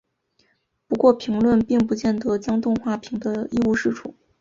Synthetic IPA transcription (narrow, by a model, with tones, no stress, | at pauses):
pu˧˥kwɔ˥˩pʰi˧˥ŋlwə˥˧npi˥˧ŋpu˧˥t͡ɕjɛ˥˩nt̪ɤ˧˥t͡ɕjɑ˥ŋt̪ʊ˥˧ŋxwa˥˩pʰi˧˥ŋd̪ə˧i˥˧u˥˧ʂɻ̩˥˩ʈ͡ʂʰu˨˩˦